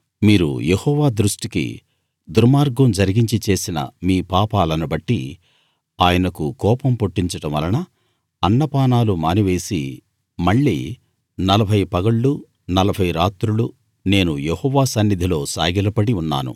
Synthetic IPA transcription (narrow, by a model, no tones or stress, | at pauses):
miːɾṵjehɔːʋaːd̪ɾuʂʈikḭ | d̪uɾmaːɾɡɐmd͡ʒɐɾiɡiɲt͡ʃit͡ʃe̞ːsinɐ̰miːpaːpaːlɐnubɐʈːi | aːjɐnɐkukɔːpɐmpoʈːiɲt͡ʃɐɽɐmʋɐlɐnɐ | ɐnːɐpaːnaːlumaːniʋe̞ːsi | mɐɭːḭː | nɐlɐbʱɐjpɐɡɐɭːu | nɐlɐbʱɐjɾaːt̪ɾulu | ne̞ːnujehɔːʋaːsɐnːid̪ʱilo̞ːsa̰ːɡilɐpɐɽiunːa̰ːnṵ